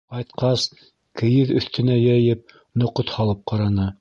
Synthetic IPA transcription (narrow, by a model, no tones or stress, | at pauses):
qɑjt̪̚qɑs | kɘ̆jɘðɵ̆θt̪ɘ̆næjæjɘp̚ | nŏqot̪hɑlˠɤp̚qɑɾɑnɤ